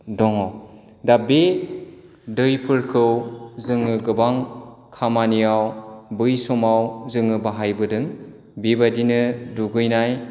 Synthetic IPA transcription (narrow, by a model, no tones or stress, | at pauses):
dɔŋɔw | dabe | dɯjpʰɯɾkʰɯwzɯŋɯɡɯbaŋ | kʰamanijawbɯjsɔmawzɯŋɯbaɦajbɯdɯŋ | bibadinɯduɡɯjnaj